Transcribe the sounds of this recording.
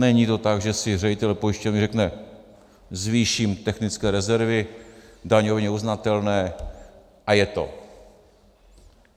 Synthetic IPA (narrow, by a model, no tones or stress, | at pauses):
nɛɲit̪o̞t̪aɡʒɛsɪrɛɪt̪ɛlpojɪʃcɛvɪrɛknɛ | zviːʃimt̪ɛxnɪt͡skɛːɾɛzɛɾvɪdaɲovɛɲɛuznat̪ɛlnɛː | ʔajɛt̪o̞̰